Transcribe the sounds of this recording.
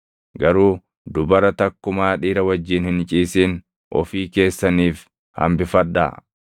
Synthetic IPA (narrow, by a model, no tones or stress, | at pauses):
ɡɐɾuː | d̪ʊbɐɾɐt̪ɐkːʊmaːᶑiːɾɐwɐd͡ʒːiːnhɪnt͡ʃʼiːsiːn | ʔɔ̰fiːke̞ːsːɐniːf | hɐ̰mbɪfɐᶑːa̰ː